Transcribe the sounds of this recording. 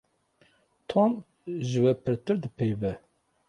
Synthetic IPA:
t̪ʰom | ʒɨwɛpʰɨɾt̪ɨɾd̪ɨpʰeːvɛ

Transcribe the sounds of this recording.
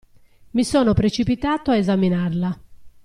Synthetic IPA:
misɔːnopɾet͡ʃipit̪aːt̪oaezaminaɾla

